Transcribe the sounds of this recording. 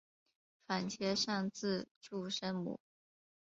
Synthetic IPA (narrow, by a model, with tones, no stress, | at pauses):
fa˨˩nt͡ɕʰjɛ˧˥ʂɑ˥˧ŋt͡sɹ̩˥˧ʈ͡ʂu˥˩ʂə˥nmṵ˨˩˦